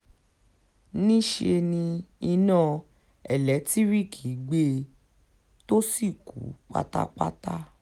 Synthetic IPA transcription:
nĩ˦ʃe˧nĩ˧i˧nãː˦˨ | ɛ˦˨lɛ˨˦ti˦ɾi˦˨kʰi˨˦ɡ͡be˦ | to˦si˦˨kṵ˨˦k͡pa̰˦ta̰˦k͡pa̰˦ta˦

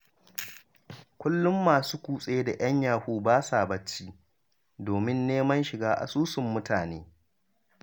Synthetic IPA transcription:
kʷʊ˦lːʊ˦mːaː˨suː˦kʷuː˨sʼe˦e˦da˨j̰ɐ˦ɲjaː˨huː˦baː˦saː˨bɐ˦t͡ʃːiː˦ | doː˨mɪ˦nːeː˦mɐ˦nʃɪ˨ɡaː˦ʔa̰˨suː˦sʊ˨mːʊ˦taː˨neː˦

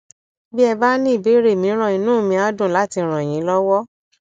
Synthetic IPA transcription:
bi˦ɛ˧ba˦nĩ˦i˦˨be˨˦ɾe˦˨mĩ˨˦ɾ̃ɔ̃˦˧˨i˧nũː˦˨mĩ˧a˨˦dũ˦˨la˨˦ti˧˦ɾ̃ɔ̃˨j̃ĩ˨˦lɔ˦wɔ˦

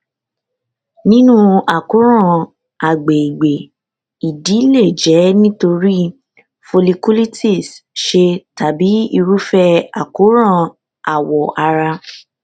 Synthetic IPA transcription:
nĩ˦nũ˦a˨ku˨˦ɾ̃ã˦˨ | a˨ɡ͡be˨i˨ɡ͡be˨ | i˨di˨˦le˦˨d͡ʒɛ˨˦nĩ˦to˧ɾi˦ | fo˧li˧ku˦li˦tʰi˦˨sʃe˧ta˨bi˨˦i˧ɾu˦fɛ˦a˨ku˨˦ɾ̃ã˦˨ | a˨wɔ˨ʔa˧ɾa˧

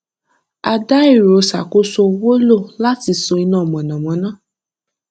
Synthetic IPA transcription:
a˧da˦i˦˨ɾo˨˦sa̰˨ko˦so˧wo˦lo˦˨la˦ti˧so˧i˧nã˦˨mɔ̃˨nã˨mɔ̃˨˦nã˦˨

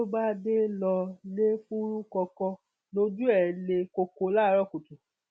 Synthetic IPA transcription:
o˦ba˦de˦lɔ˧le˦fu˦ɾu˦kɔ˧kɔ̃˧ | no˦d͡ʒu˦ɛ˨le˧ko˧ko˨˧˦la˦ɾɔ˦˨ko˨tu˨

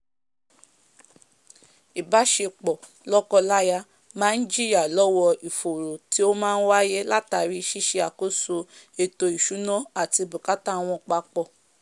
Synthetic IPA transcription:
i˨ba˦ʃe˧k͡pɔ˨ | lɔ˦kɔ˧la˦ja˧ | mãː˨˦n̩˦d͡ʒi˦ja˨lɔ˦wɔ˧i˨fo˨ɾo˨ti˦o˦mãː˦n̩˦wa˦je˦la˦ta˧ɾi˧ʃi˦ʃe˧a˨ko˦so˧e˧to˧i˨ʃu˨˦nɔ̃˦a˦˨ti˧bu˨ka˦ta˦w̃ɔ̃˧k͡pa˧k͡pɔ˨

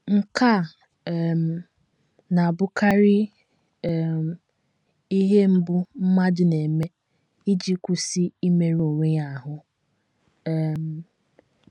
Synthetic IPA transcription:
ŋ̩˦ka˦˨ | m˨ | na˨a˨bʊ˦ka˦ɾɪ˦˨ | i˦ɦe˦m̩˦bʊ˦m̩˦ma˦dʊ˨ne˨me˦ | i˦d͡ʒi˦kʷu˦si˦i˦me˨ɾu˨ŋʷe˦ɲa˨ɦʊ˦˨ | m̩˨

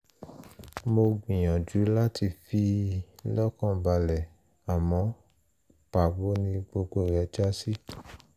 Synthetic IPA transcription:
mo˧ɡ͡bĩ˨j̃ɔ̃˨d͡ʒu˨˦la˦ti˧fi˧lɔ˦kɔ̃˦˨ba˧lɛ˨ | a˨mɔ̃˨˧˦ | pa˨bo˦nĩ˧ɡ͡bo˧ɡ͡bo˦˨ɾɛ˨˦d͡ʒa˦si˦

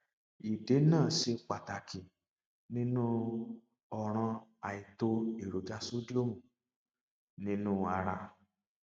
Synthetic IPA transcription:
i˨de˨˦nãː˦˨ʃe˧k͡pa˨ta˨kʰi˨ | nĩ˦nũ˦ | ɔ˧ɾ̃ɔ̃˧a˨i˨to˧i˨ɾo˨d͡ʒa˧so˦d͡ʒo˦mũ˨ | nĩ˦nũ˦a˧ɾa˧

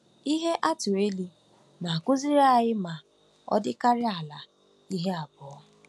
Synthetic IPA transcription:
i˦ɦe˦ʔa˦tʊ˨e˦li˦ | na˨kʊ˦zi˦ɾa˦˨ɣɪ˦ma˨ | ɔ̰˦dɪ˦ka˦ɾɪ˦a˨la˨ | i˦ɦe˦a˨bɔ˨ɔ˦

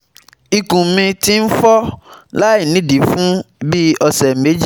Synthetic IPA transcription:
i˨kũ˨mĩ˧ti˦n̩˦fɔ˦la˦i˦˨nĩ˦di˨fũ˦bi˦ɔ˧sɛ˨me˨˦d͡ʒi˦

